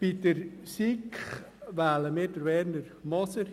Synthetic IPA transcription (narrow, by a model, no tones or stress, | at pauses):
b̥id̪əɾsikχʋæːləmɪːdəɾʋɛːɾnəɾmɔsəɾ